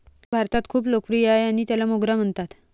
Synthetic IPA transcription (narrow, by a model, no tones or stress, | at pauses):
bʱaɾt̪at̪kʰuːplokfɾiajaɽ̃it̪jalamoɡɾam̤əɳt̪at̪